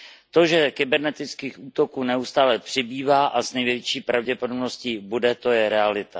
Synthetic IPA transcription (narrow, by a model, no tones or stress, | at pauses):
t̪o̞ʒɛkɪbɛɾnɛt̪ɪt͡skiːxʔuːt̪o̞kuːnɛust̪aːlɛpr̝̥ɪbiːvaːʔaznɛjvjɛvjt͡ʃiːpɾavɟɛpo̞dobnoscibudɛt̪o̞jɛɾɛalɪt̪a